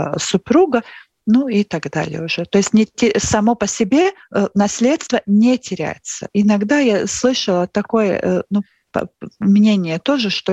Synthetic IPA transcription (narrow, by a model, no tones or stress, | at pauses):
sʊpɾuɡə | nuit̪aɡd̪a̰lʲɪ̰jə̰ʊʐɛt̪oɪsʲtʲnʲɪtʲɪsɐmo̞pəsʲɪbʲe̞nɐsʲlʲet̪st̪vənʲetʲɪɾʲæ̰jɪt̪sə̰ʔɪnɐɡd̪ajaslˠɨʂəlˠət̪ɐko̞jə̰nu | pmnʲenʲɪjət̪o̞ʐɨʂt̪o